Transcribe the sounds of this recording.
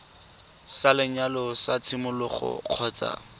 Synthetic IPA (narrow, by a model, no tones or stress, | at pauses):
salɪɲalɔsat͡sʰɪmʊlʊχʊ̰q͡χʰɔːt͡sa̰